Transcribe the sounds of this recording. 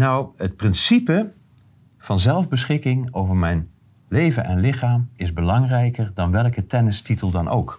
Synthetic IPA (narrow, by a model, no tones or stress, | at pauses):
nɔwət̚prɪnsipə | v̥ɑnzɛlˠvbəsχɪkɪŋowvəɹmɛjn | lejvənʔɛnlɪχaːmɪzbəlɑŋrɛjkəɹdɑnʋɛlˠkətɛnəstitəlˠdɑnʔo̰wk